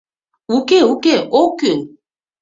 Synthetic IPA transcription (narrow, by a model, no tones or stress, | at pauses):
ukeukeʔokun